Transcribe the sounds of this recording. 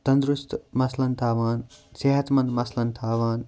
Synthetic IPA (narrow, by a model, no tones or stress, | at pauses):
t̪ɐ̃nd̪ɾust̪mɐslɐnt̪ʰaːʋaːnseɦɐt̪mɐ̃nd̪mɐslɐnt̪ʰaːʋaːn